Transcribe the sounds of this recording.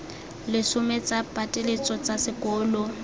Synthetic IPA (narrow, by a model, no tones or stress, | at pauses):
lɪsʊmet͡sʼapʼatʼelet͡sʼɔt͡sʼasɪkʼɔːlʊ